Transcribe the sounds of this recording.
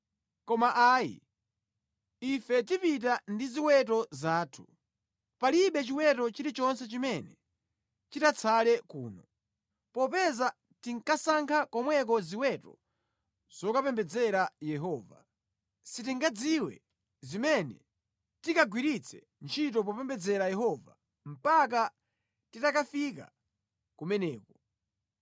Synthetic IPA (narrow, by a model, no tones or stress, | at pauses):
kɔmaʔaːjḭ | ifɛt̬ipit̬andiziwɛtɔzaːtʰu̥ | paliɓɛt͡ʃiwɛtɔt͡ʃiɾit͡ʃɔnsɛt͡ʃimɛnɛ | t͡ʃitat͡sʰalɛkṵːnɔ | pɔpɛza | tiŋkasaŋkʰakɔmwɛkɔziwɛtɔ̰ | z̥ɔkapɛmbɛd͡zɛɾajɛɦɔːva̰ | sitiŋɡad͡ziwɛ̰ | zimɛnɛ̰ | tikaɡwiɾit͡sʰɛ̰ | nt͡ʃʰitɔp̬ɔpɛmbɛd͡zɛɾajɛɦɔva̰ | m̩pak̬a | titakafika̰ | kumɛnɛːkɔ